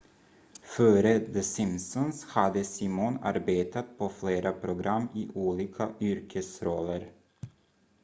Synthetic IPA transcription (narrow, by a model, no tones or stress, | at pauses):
fœːɾəd̪əsɪmsɔnshad̪əsimɔna̰ɾbeːt̪ʰat̪̚pʰɔfleːɾʔapʰɾʊɡɾʔamːiʔuːliːkʰaʔʏɾkʰəsɾɔlːəɾ